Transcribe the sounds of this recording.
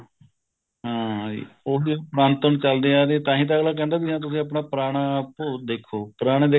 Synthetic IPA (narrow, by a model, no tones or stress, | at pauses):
ɦãːd͡ʒḭːoːsipɾãːnt̪əɳt͡ʃəld̪eːaːd̪eːt̪ãːɦĩːt̪̬aːɡlaːk̬ɛ̃ːnd̪aːkɪɦãːt̪̬ʊsĩːəp̬naːpəɾaːɽ̃aːpod̪eːkʰːoːpəɾaːɽ̃eːd̪eː